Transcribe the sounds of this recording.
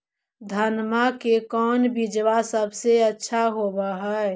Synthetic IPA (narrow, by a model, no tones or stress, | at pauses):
d̪ʱənmakekɔːnbɪd͡ʒwasəbseɐtːʃʰaɦobaɦa